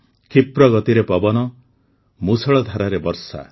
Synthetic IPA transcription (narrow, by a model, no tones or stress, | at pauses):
kʰipɾɔɡɔt̪iɾepɔbɔnɔ | musʰɔɭɔd̪ʱaɾaɾebɔɾsa̰